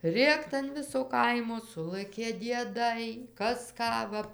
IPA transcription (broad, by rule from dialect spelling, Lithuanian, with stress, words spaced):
ˈrʲeːkt ɐn ˈʋʲɪsoː ˈkɐɪmoː ˈsʊlˠɘkʲeː dʲiɛˈdɐɪ ˈkɐs ˈkɑː ʋɐ